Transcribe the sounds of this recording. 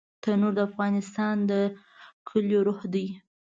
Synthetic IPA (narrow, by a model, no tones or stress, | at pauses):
t̪ənoɾd̪əafɣɑnɪst̪ɑnd̪ə | kʰəljoɾohd̪əj